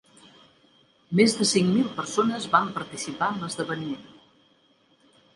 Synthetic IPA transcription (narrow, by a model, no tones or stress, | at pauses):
mezðəsiŋmilˠpəɾsonəzβampəɾt̪isipaəmləzðəβənimen